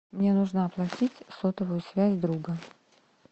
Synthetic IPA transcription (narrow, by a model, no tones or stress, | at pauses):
mnʲenuʐnəɐplˠɐtʲitʲsot̪əvəjʊsvʲæzʲd̪ɾuɡə